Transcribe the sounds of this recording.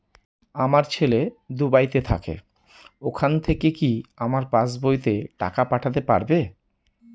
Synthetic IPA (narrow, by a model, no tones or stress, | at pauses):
amaɾt͡ɕʰeled̪ubajt̪et̪ʰa̰kḛ | okʰant̪ʰekekiamaɾpasbojt̪eʈa̰kapaʈʰat̪̬epa̰ɾbe